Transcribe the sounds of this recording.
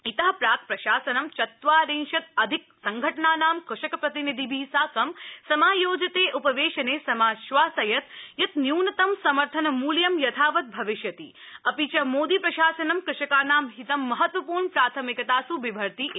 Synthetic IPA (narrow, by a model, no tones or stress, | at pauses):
it̪ɐɦɐpɾaːt̪̚ʰpɾɐʃaːsɐnɐmt͡ʃɐt̪ʋaːɾeːnʃɐt̪̚ɐd̪ʱik̚sɐŋɡʱɐʈɳaːnaːmkʊʃɐkɐpɾɐt̪inid̪ʱibʱiːsaːkɐmsɐmaːjoːd͡ʒɐt̪eːʔupɐʋeːʃɐneːsɐmaːʃʋaːsɐjɐt̪̚jɐt̪njuːnɐt̪ɐmsɐmɐɾt̪ʰɐnɐmuːljɐmjɐt̪ʰaːʋɐt̪̚bʱɐʋɪʃjɐt̪ḭː | ɐpit͡ʃɐmoːd̪iːpɾɐʃaːsɐnɐmkɾɪʃɐkaːnaːmɦit̪ɐmːɐɦɐt̪ʋɐpuːɾɳpɾaːt̪ʰɐmikɐt̪aːsuʋibʱɐɾt̪iʔ